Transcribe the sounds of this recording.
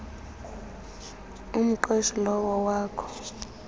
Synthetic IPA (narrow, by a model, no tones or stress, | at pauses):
um̩ǃeʃɔlɔwɔwaːkʰɔ̥